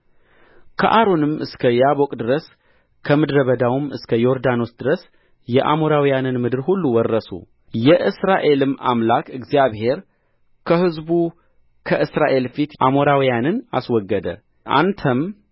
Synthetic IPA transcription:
kʰə̰ʔaɾo̞nɨmʔɨskʰəjabokʼd̪ɨɾəs | kʰəmɨd̪ɾəβəd̪awɨmɨskʰəjoɾd̪ano̞sd̪ɨɾəs | jɛʔa̰moɾawjanɨnmɨd̪ɨɾhulːuwɔrːəsṵ | jɛʔɨsɾaʔe̞lɨmʔa̰mlakɨɡzijaβhe̞ɾ | kʰəhɨzbu | kʰəʔɨsɾaʔe̞lfit̪ʔamoɾawijanɨna̰swɔɡːəd̪ə̰ | ʔa̰nt̪ʰəm

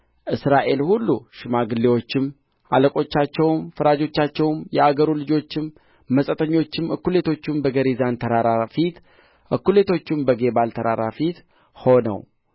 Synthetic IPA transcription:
ʔɨsɾaʔe̞lhulːuʃɪmaɡɨlːewo̞t͡ʃːɪm | a̰ləkʼo̞t͡ʃːat͡ʃːɛwmfɨɾad͡ʒo̞t͡ʃːat͡ʃːɛwmjɛaɡəɾulɨd͡ʒo̞t͡ʃːɪmː | əsʼət̪ʼəɲːo̞t͡ʃːɪmɨkːule̞t̪ʰo̞t͡ʃːɪmbəɡəɾizant̪ʰəɾaɾafit̪ | ʔɨkːule̞t̪ʰo̞t͡ʃːɪmbəɡe̞balt̪ʰəɾa̰ɾa̰fit̪ | ho̞nə̰w

